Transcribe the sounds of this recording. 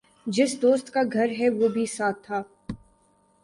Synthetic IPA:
d͡ʒɪsd̪oːst̪kaɡʱɐɾɦɛʋoːbʱisaːt̪ʰːaː

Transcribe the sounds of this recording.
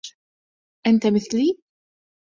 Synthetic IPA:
ʔænt̪æməθli

